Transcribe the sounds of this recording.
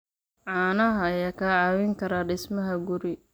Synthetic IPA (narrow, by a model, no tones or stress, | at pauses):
ʕaːnɐɦɐjaːkʰɐʕɑːwɪŋkʰɐɾaɖɪsmɐɦɐɡʊɾɪ